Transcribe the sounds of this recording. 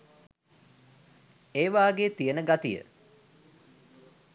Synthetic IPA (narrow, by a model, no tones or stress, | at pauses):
eːʋaːɡeːt̪ijənəɡat̪ijə̰